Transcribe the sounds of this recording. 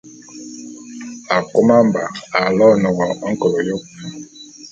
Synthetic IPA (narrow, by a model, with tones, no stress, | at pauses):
a˨ko˦ma˦mba˨a˨lɔ˦˨nɔ˨ɣɔ˨ɔ˦ŋ̩˦kɔ˨lɔ˨jo˦